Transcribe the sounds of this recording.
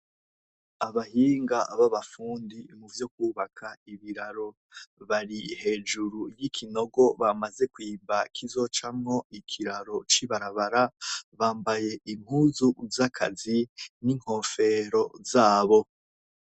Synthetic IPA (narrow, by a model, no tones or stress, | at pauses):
aβahiːŋɡaβaβafuːndimuvjo̞kuːβakʰaiβiɾaɾo̞ | βaɾihe̞ːd͡ʒuɾujikʰino̞ɡo̞βamaze̞kwiːmbakʰizo̞t͡ʃamŋo̞ikʰiɾaɾo̞t͡ʃiβaɾaβaɾaβaːmbaje̞ʔiŋ̥huzuzakʰa̰ziniŋ̥ho̞fe̞ɾo̞zaːβo̞